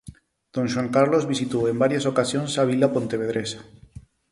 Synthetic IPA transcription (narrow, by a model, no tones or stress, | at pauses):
d̪̥õnʃwaŋkaɾlozβisit̪oembaɾjasokasjonsaβ̞ilapont̪eβeð̞ɾʔesḁ